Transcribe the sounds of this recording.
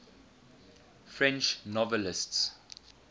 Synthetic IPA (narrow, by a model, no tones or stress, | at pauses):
fɹɛ̃nt͡ʃnɔvɛlɪsts